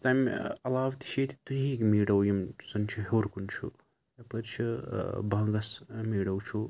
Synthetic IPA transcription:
t̪ajmɐlaːʋt̪i̥ʃet̪i̥t̪unɦikmiːɽɐwjɐmsɐnt͡ʃʰiɦoːɾkunt͡ʃʰṵ | ɐpɐɾt͡ʃʰibʱɐŋɡɐsmiːɽɐwt͡ʃʰu

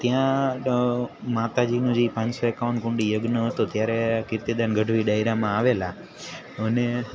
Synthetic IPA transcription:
t̪jã | mat̪ad͡ʒinũd͡ʒipãɲsoekaʋənkʊ̃ɳɖijəɡnəɦət̪ot̪jaɾekɪɾt̪id̪anɡʱəɖʱʋiɖajɾamãaʋela | əne

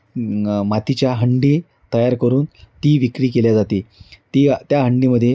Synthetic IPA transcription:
mat̪it͡ɕjaɦəɳɖiː | t̪əjaɾkəɾuːnt̪iːʋikɾiːkeljad͡zat̪iːt̪iːt̪jaɦəɳɖiməd̪ʱːje

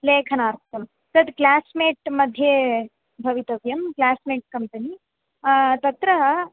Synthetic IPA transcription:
leːkʰɐnaːɾt̪ʰjɐm | t̪ɐd̪klaːsmeːʈmɐd̪ʱje | bʱɐʋit̪ɐʋjɐmklaːsmeːʈ̚kɐmpɐni | t̪ɐt̪ɾɐ

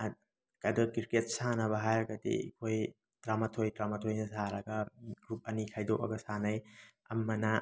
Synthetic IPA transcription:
kɐdɐkiɾket̚sanɐβɐɦajɾɐɡɐdḭkʰoj | tɾamɐtʰojtɾamɐtʰojnɐsaɾɐɡɐɡɾup̚ɐnikʰajdoʔɐ̰ɡɐsanɐj | ɐ̰mːɐnɐ

